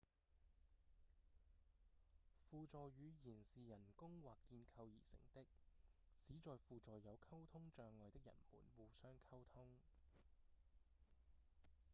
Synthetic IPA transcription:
fuː˧t͡sɔː˨jɥyː˨˧jiː˨˩nsiː˨jɐ˨˩nkʊ˥ŋwaː˨kkːiː˧nkʰɐ˧wjiː˨˩sɪ̰˨˩ŋt̪ɪ˥k̚ | siː˨˥t͡ʃɔː˨jfuː˧t͡sɔː˨jɐ˨˧wkʰɐ˥wt̪ʰʊ˥ŋt͡ʃœː˨˧ŋlɔː˨jt̪ɪ˥k̚jɐ̰˨˩nmṵː˨˩nwuː˨sœː˥ŋkʰɐ˥wt̪ʰʊ˥ŋ

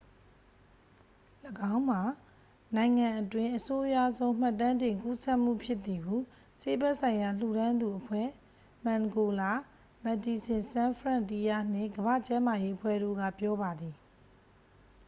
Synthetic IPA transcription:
ləɡã˦ʊ̃m̥a˨ | nã˨ɪ̃ŋã˨ʔətwɪ̃˦ʔəso˦ʔja̰˦˨zõ˦ʊ̃m̥a˦˨tːã˦ndɪ̃˨ŋku˦sɛ˦ʔm̥ṵ˦˨pʰjɪ˦t̪θi˨ɡu˦˨ | se˦bɛ˦ʔsʰã˨ɪ̃ja˨lṵ˦˨ɾã˦nd̪u˨ʔəpʰwɛ̰˦˨ | mã˨ŋɡo˨la˦˨ | mɛ˨ti˨sɪ̃˨sã˦pʰɹã˦˨nti˦ja˦˨n̥ɪ̰̃˦˨ŋɡəβä̰˦˨t͡ɕã˦ma˨je˦ʔəpʰwɛ̰˦˨ɾo̰˦˨ɡa̰˦˨pjɔ˦ba˨d̪i˨

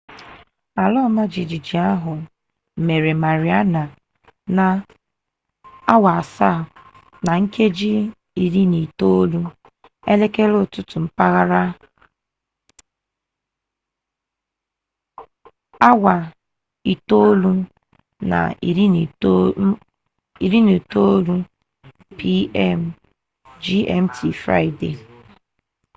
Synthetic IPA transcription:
a˨lɔ˦˨ma˦d͡ʒi˨d͡ʒi˨d͡ʒi˨a˦ɦʊ˨ | me˨ɾe˨ma˨ɾi˨a˦na˨ | na˨ | a˦wa˨a˨sa˦˨ | na˨ŋ̩˦ke˦d͡ʒi˦ | i˨ɾi˦ni˨to˦o˦lu˦ | ḛ˦le˦ke˦lʊ˦˨tʊ˦tʊ˨m̩˦pa˦ɣa˦ɾa˦ | a˦wa˨ | i˨to˦lu˦ | na̰˨i˨ɾi˦n˨˦ | i˨ɾi˦nu˨to˦lu˦ | pi˦ɛ˦m | d͡ʒi˦ɛ˦˨m̩˦tʰi˨fɾa̰˦ɪ˦de˨

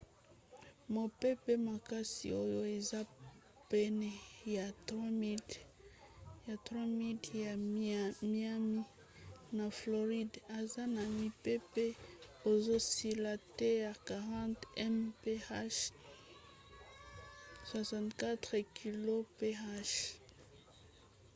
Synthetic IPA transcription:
mo˨pe˦pe˦ma˨ka˦sḭ˨o˦jo˦e˨za˦ | pɛ˦nɛ˨ja˨twa˦mi˦ | ja˨t̪ʁwa˦mi˦da˨ | mi˦a˦mi˦ | na˨flo˨ʁi˦da˨za˦na˨mi˦pe˦pe˦o˨zo˦si˨la˨te˦ja˨ka˨ʁɑ̃˦nt̪ɛ˦mpe˦a˦ʃ | swa˨sɑ̃˨nt̪ka˦t̪ʁɛkʰi˨lo˦pe˦a˦ʃ

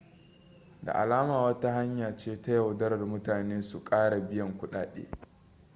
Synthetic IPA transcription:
da̰˨ʔa̰˨laː˦maː˨wɐ˦ta˦ha˦ɲjaː˨t͡ʃeː˦ta˦ja˨wdɐ˦ɾɐ˨rmʊ˦taː˨neː˦su˨kʼaː˦ɽa˨bɪ˦jɐ˨ŋkʷʊ˦ɗa̰ː˨ɗḛː˦

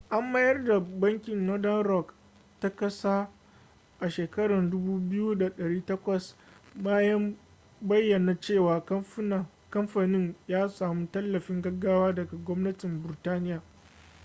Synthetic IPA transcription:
ʔa˦mːɐ˦jɐ˦rda˨bɐ˦ŋkʲɪ˨nno˦dɐ˦nɾɔ˦k | ta˦kɐ˦saː˦ | ʔa˨ʃeː˨kɐ˦ɽɐ˨ndʊ˦buː˦bɪ˦ju˦da˨ɗɐ˨ɽiː˦tɐ˦kʷɐ˨sbaː˦jɐ˦m | bɐ˦jːɐ˨na˨t͡ʃeː˦˨waː˨˦˨ | kɐ˦mɸaː˨nɪ˦ɲjaː˦saː˨mu˦tɐ˦lːɐ˨ɸɪ˦ŋɡɐ˦ɡːaː˦waː˦dɐ˨ɡa˨ɡʷɔ˦mnɐ˦tɪ˨mbɪ˨ɾɪ˨taː˦nɪ˦jaː˨

